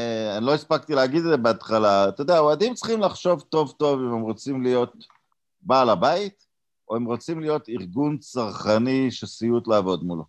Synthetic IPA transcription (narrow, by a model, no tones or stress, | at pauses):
anilo̞ispak̚t̪ileaɡid̪ed͡zebeat̪χalat̪od̪eaoad̪imt͡sχimlaχʃo̞vt̪o̞vt̪o̞vimemʁo̞t͡simlijo̞t̪̚ | baːlabait̪ | o̞emʁot͡simlijo̞t̪iʁɡunt͡saʁχaniʃesijut̪laːvo̞d̪mulo